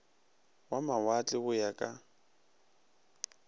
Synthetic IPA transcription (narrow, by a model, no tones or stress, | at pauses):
wamawat͡ɬʼɪbʊjakʼa